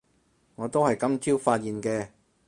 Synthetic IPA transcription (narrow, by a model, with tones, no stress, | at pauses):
ŋɔː˨˧t̪o˥whɐ˨jkɐ˥mt͡sʰiː˥wfaː˧t̚jiː˨nkɛː˧